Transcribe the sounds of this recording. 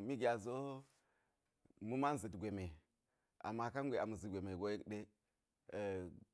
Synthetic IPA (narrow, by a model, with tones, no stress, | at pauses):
mi˦ɡʲa˨zo˦ | mu˦ma˦n˦zi˨tɡʷe˨me˨ | a̰˨mːa˨ka˦nɡʷe˨a˨mu˨zi˨ɡʷe˨me˨ɡo˦je˦kɗe˦˨